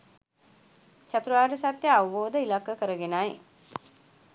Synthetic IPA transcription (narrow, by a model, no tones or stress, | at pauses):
t͡ʃat̪ɾuʋaːɾəsat̪jəaʋəboːd̪əilakːəkəɾəɡenaj